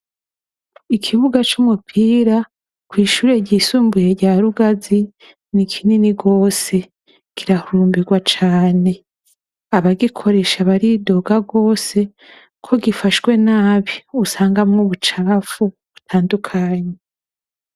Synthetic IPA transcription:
ikʰiβuɡat͡ʃumupʰiːɾa | kwiːʃuːɾe̞ɟiːsuːmbuje̞ɾɟaːɾuɡazi | nikʰininiɡo̞ːse̞ | kʰiɾahuɾuːmbiɡwat͡ʃaːne̞ | aβaɡikʰo̞ɾe̞ʃaβaɾido̞ɡaɡo̞ːse̞ | kʰo̞ɡifaʃwe̞naːβiusaːŋɡamŋoβut͡ʃaːfu | βutʰaːndukʰaːɲe

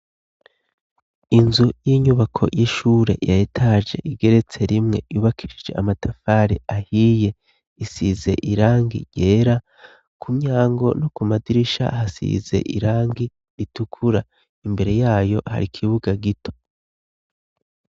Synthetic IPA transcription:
inzujiːɲuβakʰo̞̰jiʃuɾe̞̰jaitʰad͡ʒe̞̰ʔiɡe̞ɾe̞t͡se̞ɾimŋe̞̰juːβakʰi̥ʃid͡ʒe̞amatʰafaɾḭahije̞ | isize̞̰ʔiɾaːŋɡḭɟeːɾa | kʰumɲaːŋɡo̞̰nokumadiɾiʃa̰hasḭze̞̰ʔḭɾaːŋɡi | ɾitukʰuɾa | imbe̞ɾe̞jaːjo̞ha̰ɾikʰiβuɡaɡitʰo̞̥

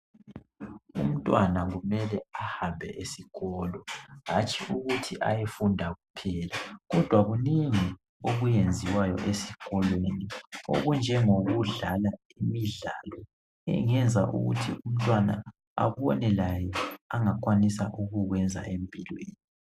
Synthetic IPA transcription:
ṵm̩tʼwanaɣumɛlɛahambʱɛʔesiɣɔlɔɣat͡ʃʼiʔuɣutʰiʔa̰jefundʱaɣupʰɛːlaɣɔd̥ʱwaɣuniŋi | oɣujend͡zʱiwajɔʔesiɣɔlwenio̰ɣund͡ʒʱɛŋoɣuɮala | imiɮalɔ | ɛ̰ŋɛnd͡zʱaʔṵɣṵtʰium̩tʼwana̰ | a̰βɔnɛlajɛaŋak̬ʼwanisaʔuɣuɣwɛnd͡zʱa̰ʔempʼilweeːni

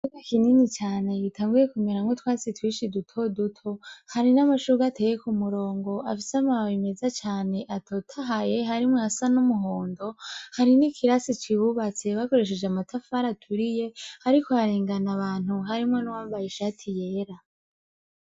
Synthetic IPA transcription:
uɡakininit͡ʃaːne̞ɡitʰaːŋɡuje̞kume̞ɾamŋotwaːsitwiːʃidutʰo̞dutʰo̞haɾinamaʃuɡatʰejekumuɾo̞ːŋɡo̞ʔafiseamawawime̞zat͡ʃaːne̞ʔatʰotʰaɦaje̞ɦaɾimŋeasanumuɦoːndo̞haɾinikiɾasit͡ʃiβuβat͡se̞βako̞ɾe̞ʃ̬e̞d͡ʒeamatʰafaɾatʰuɾije̞haɾikoaɾeːŋɡanaβaːn̥huɦaɾimŋe̞nuwaːmbajeʃatʰije̞ːɾa

